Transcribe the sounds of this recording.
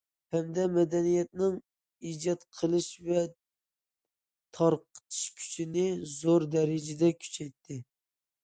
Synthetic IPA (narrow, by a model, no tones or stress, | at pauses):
hamd̪amæd̪ænijat̪nɪŋ | id͡ʒɒt̪qʰɨlˠɪʃvɛ | t̪ʰɑɾqt̪ʰɨ̥ʃkʲʰy̥t͡ʃʰɪnɪzoɾd̪æɾɪd͡ʒɪd̪akʲʰy̥t͡ʃʰɛjt̪ʰːɪ